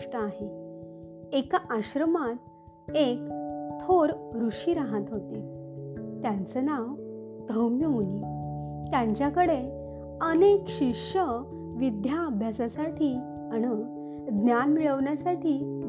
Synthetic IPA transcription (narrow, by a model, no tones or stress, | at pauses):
ʂʈəaɦe | ekaʔaɕɾəmat̪̚ | ek̚t̪ʰoɾɾuʂiɾaɦat̪ɦot̪e | t̪jant͡sənaʋ | d̪̥ʱəwmjəunit̪jãɲt͡ɕjakəɽe | ənekɕikʂə | ʋid̪ʱjaːbʱjasasaʈʰiː | añə | d̪njanmiɭəʋɳjasaʈʰiː